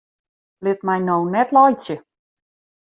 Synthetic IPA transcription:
lɪtmɛjnownɛtlɔjt͡sjə

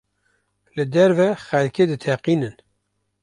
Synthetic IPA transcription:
lɨd̪ɛɾvɛxɛlkeːd̪ɨt̪ʰɛqiːnɨn

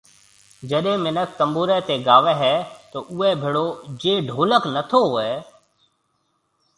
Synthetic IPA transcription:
d͡ʒəɗẽːmɪnək̚t̪ə̃mbuːɾɛːt̪eɡaːʋɛɦɛːt̪oːʔuːɛbʱɪɽoːd͡ʒeːɖʱoːləknət̪ʰoɛː

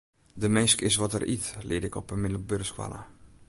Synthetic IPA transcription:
dəmɛnskɪsʋɔtə̰rʔitlɪ̰dɪkɔpəmɪdəl̩børskʋa̰la̰

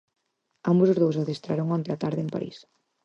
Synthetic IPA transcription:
ambosʊzðowsaðest̪ɾaɾoŋɔnt̪ɪat̪aɾðɪempa̰ɾḭs

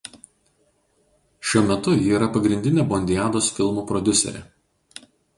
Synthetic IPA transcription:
ʃʲuɔmʲɛt̪ʊjiːɾɐpɐɡɾʲɪnʲd̪ʲɪnʲeːbɔnʲd̪ʲɪjæːd̪oːsfʲɪlˠmuːpɾɔd̪ʲʊsʲɛ̰ɾʲɛ̰ː

